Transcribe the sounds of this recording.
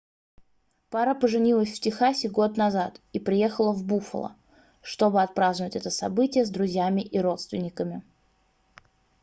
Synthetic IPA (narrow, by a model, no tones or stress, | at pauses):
paɾəpəʐɨnʲilˠəsʲftʲɪxasʲɪɡo̞t̪nɐzat̪ipɾʲɪje̞xəlˠəvbufə̰lˠə̰ | ʂt̪o̞bɨɐt̪̚pɾaznʊvətʲɛt̪əsɐ̰bɨtʲɪjəzd̪ɾʊzʲjamʲɪʔiɾo̞t̪st̪vʲɪnʲːɪkəmʲɪ